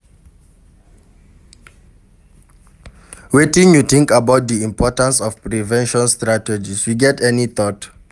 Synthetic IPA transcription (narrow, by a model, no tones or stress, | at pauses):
wetĩnjut̪ĩŋkabaʊt̚diĩmpʰɔtãnsɔfpɹivɛ̃nʃɔ̃nstɹatɛd͡ʒisjuɡɛtɛniθɔt